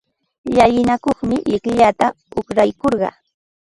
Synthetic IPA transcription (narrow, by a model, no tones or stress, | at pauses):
ʎajɪnakoχmɪʎɪkʎat̪a | ʊχɾajkoɾɢɑ̰